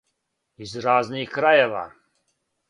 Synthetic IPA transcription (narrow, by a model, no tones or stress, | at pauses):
izɾaːznixkɾajeʋa̰ː